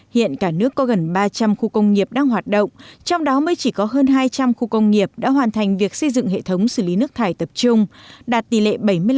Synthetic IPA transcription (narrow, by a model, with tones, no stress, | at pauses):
hḭ˧˨ənkaː˧˩nɨ˦˥əkːɔ˨˦ɣə˨˩nɓaː˧t͡ɕa˧mxu˧kə˧wŋ͡mŋi˨˩əp̚ɗaː˧ŋɦwaː˨˩t̚ɗo̰˧˨wŋ͡mt͡ɕɔ˧wŋ͡mɗɔ˨˦məː˨˦jt͡ɕi˧˩kɔ˨˦ɦəː˧nɦaː˧jt͡ɕa˧mxu˧kə˧wŋ͡mŋi˨˩əp̚ɗa̰ː˧˥ɦwaː˨˩nt̪ʰa˨˩jŋ̟vi˨˩ək̚sə˧jzɨ̰˧˨ŋɦḛ˧˨t̪ʰə˨˦wŋ͡msɨ˧˩li˨˦nɨ˦˥kt̪ʰaː˧˩jt̪ə˨˩p̚t͡ɕʊ˧ŋ͡mɗaː˨˩t̚t̪i˨˩lḛ˧˨ɓə˧˩jmɨ˧əj